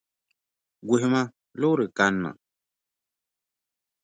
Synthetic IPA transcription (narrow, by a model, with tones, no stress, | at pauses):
ɡʷe˨hmã˦ | lo˦ɾɨ˨ka˨˦nːa̰˨